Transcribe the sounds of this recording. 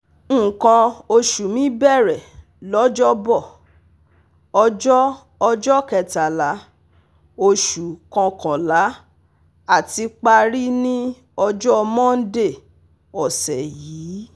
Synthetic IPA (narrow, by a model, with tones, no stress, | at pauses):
kã˧o˧ʃu˨mĩ˨˦bɛ˦˨ɾɛ˨ | lɔ˨˦d͡ʒɔ˦bɔ˦˨ | ɔ˧d͡ʒɔ˦ | ɔ˧d͡ʒɔ˦kɛ˧ta˨la˨˦ | o˧ʃu˨kɔ̃˧kã˨la˨˦ | a˦˨ti˧k͡pa˧ɾi˦nĩ˦ | ɔ˧d͡ʒɔ˦ɔ˧mɔ̃˦n̩˦de˦˨ | ɔ˨sɛ˨jiː˨˦